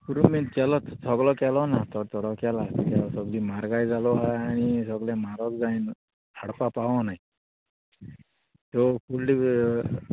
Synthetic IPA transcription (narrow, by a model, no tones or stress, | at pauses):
kuɾument̪kɛlɔt̪sɔɡlɔkɛlɔnat̪ɔɾt̪ɔɽɔkɛlat̪ikasɔɡlimaɾɡajd͡zalɔɦaaɽ̃isɔɡlemaɾɔkd͡zain | aɽpapaʋɔ̃naɦi | t̪ɔpʰulɖi